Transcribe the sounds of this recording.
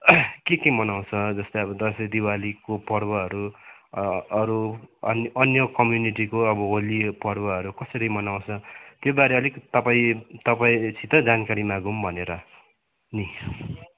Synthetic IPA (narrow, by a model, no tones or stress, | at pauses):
kekemʌnaw̃t͡sʰʌd͡zʌst̪ʌʌbʌd̪ʌsʌd̪iwalikopʌɾbʌɦʌɾu | ʌɾunʌnjʌkʌmjuniʈikoʌbʌɦolipʌrbʌɦʌɾukʌsʌɾʌmʌnaw̃t͡sʰʌt̪jobaɾeʌlikt̪ʌpaĩt̪ʌpaĩt͡sʰit̪ʌd͡zankaɾimaɡumbʱʌneɾʌ | ni